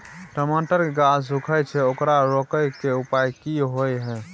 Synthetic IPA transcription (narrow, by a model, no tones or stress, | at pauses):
ʈəmaʈəɾkeɡasukʰəjt͡ʃʰɛokɾaɾokəjkeupajkiɦojɦɛ̃